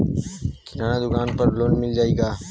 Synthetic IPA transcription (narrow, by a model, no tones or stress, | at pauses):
kʰɪnaːnãːd̪ʊkaːnpəɾloːnmɪld͡ʒaːiːɡaː